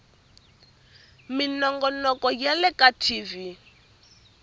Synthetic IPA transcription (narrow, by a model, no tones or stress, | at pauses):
minɔŋɡɔnɔkɔjalɛkatʰiːvi